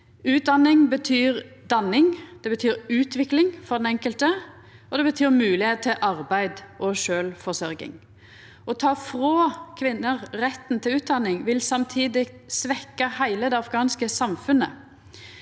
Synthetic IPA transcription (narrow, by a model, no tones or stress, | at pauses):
ʉːt̪̚d̪ɑnɪŋbət̪ʰyːʁd̪ɑnːɪŋd̪̥ɛbət̪ʰyːʁʉːt̪ʰʋɪklɪŋfɔʁd̪ɛnɛŋkəlt̪ə | ɔd̪ɛbət̪ʰyːʁmʉːlɪheːt̪̚t̪ʰːɪʔɑʁbæɪd̪ʔɔʃøːlfɔsœɾɡɪ̰ŋ | ɔt̪ʰɑːfʁoːkʰʋɪnːəʁʁɛt̪ːn̩t̪ʰɪlʉːt̪̚d̪ɑnːɪŋʋɪlsɑmt̪ʰiːd̪ɪsʋɛkːɑhæɪləd̪ɛɑfɡɑːnskəsɑmfʉnə̰